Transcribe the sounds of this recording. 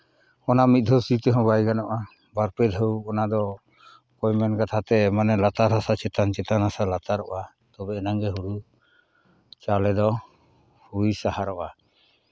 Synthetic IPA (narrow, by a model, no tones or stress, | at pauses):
ɔnamit̪̚d̪ʱɔsit̪ɛɦɔ̃bajɡanɔʔa | baɾpɛd̪ɦəwɔnad̪ɔ | kɔjmɛnkat̪ʰat̪ɛmanɛlat̪aɾɦasat͡ʃɛt̪ant͡ʃɛt̪anasalat̪aɾɔʔa | t̪ɔbɛɛnaŋɡɛɦuɽu | t͡ʃalɛd̪ɔ | hujsahaɾɔʔa